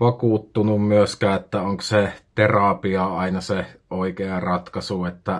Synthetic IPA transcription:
ʋɑkuˑt̪ːunummyøskæːet̪ːæoŋkset̪erɑpiɑɑˑinɑseoˑikeɑrɑt̪kɑsuet̪ːæ

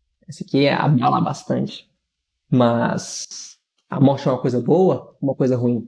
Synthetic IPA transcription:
ɛsɪkia̰bala̰ba̰st̪ɐ̃nt͡ʃɪ̥ | mɐs | a̰mɔɾt͡ʃɪɛũmɐkojzɐbowɐũmɐkojzɐɦuĩ

